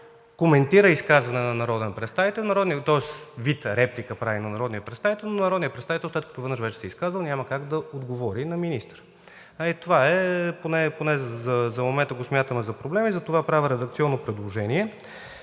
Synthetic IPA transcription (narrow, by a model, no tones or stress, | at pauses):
komɛnt̪iɾəiskazvɐnɛnɐnɐɾɔd̪ɛnpɾɛt̪st̪avit̪ɛlˠnɐɾɔd̪niət̪ɔɛsvit̪ɾɛplikəpɾavinɐnɐɾɔd̪nijəpɾɛt̪st̪avit̪ɛlˠnonɐɾɔd̪nijəpɾɛt̪st̪avit̪ɛlˠslɛt̪̚kət̪ovənəʃvɛt͡ʃɛ̥sɛiskazvəlˠnʲaməkaɡd̪ɐod̪ɡovɔɾinɐminist̪əɾ | ɐit̪ovaɛponɛponɛzɐzɐmomɛnt̪əɡosmʲjat̪əmɛzɐpɾoblɛmizɐt̪ovapɾavəɾɛd̪ək̚t̪siɔnːopɾɛd̪lˠoʒɛniɛ